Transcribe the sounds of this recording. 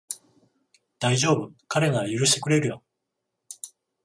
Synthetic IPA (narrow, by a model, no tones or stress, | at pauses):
d̪̥aiʑo̞ːbɯ̟kaɾe̞ɡajɯɾɯ̟ɕi̥t̪ekɯ̟ɾe̞ɾɯ̟jo